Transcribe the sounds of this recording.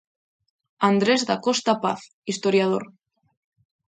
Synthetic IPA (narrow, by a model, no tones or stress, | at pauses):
and̪ɾezðakost̪apa̰θ | ist̪oɾjað̞oɾ